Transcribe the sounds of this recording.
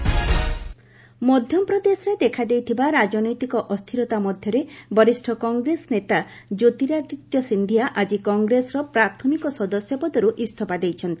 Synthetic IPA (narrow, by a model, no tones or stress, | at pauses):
mɔd̪ʱjɔmpɾɔd̪esɔɾed̪ekʰad̪ejt̪ʰibaɾad͡ʒɔnɔjt̪ikɔʔɔst̪ʰiɾɔt̪amɔd̪ʱjɔɾebɔɾisʈʰɔkɔŋɡɾesɔnet̪a | d͡ʒot̪iɾaɡit̪jɔsind̪ʱijaʔad͡ʒikɔŋɡɾesɔɾɔpɾat̪ʰɔmikɔsɔd̪ɔsjɔpɔd̪ɔɾuʔist̪ʰɔpad̪ejt͡ʃʰɔnt̪i̥